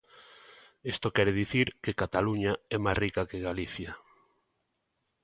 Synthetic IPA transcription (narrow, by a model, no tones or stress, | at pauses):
est̪okɛɾeðiθiɾkekat̪aluɲaɛmajsrikakeɣaliθja